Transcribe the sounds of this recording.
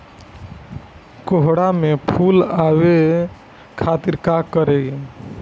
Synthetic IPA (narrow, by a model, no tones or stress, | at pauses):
koɦɽamepʰulaʋe | kʰat̪iɾkakəɾe